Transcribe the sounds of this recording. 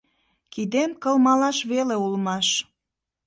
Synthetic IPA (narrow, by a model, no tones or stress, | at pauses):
kid̪emkə̆lmɑlɑʃβeleulmɑʃ